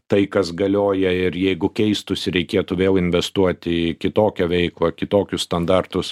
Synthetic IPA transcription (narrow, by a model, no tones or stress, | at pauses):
t̪ɐɪkɐsɡɐlʲoːjɛɪɾjɛɪɡʊkʲɛɪst̪ʊsʲɪɾʲɛɪkʲeːt̪ʊʋʲeːlˠɪnʲʋʲɛst̪uɔt̪ʲɪɪkʲɪt̪oːkʲoːʋʲɛɪklˠɐkʲɪt̪oːkʲʊsst̪ɐnd̪ɑrt̪ʊs